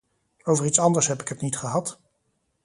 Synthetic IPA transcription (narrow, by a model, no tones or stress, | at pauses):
owvəɹitsɑndəɹsɦɛpɪkɦətnitχəɦɑt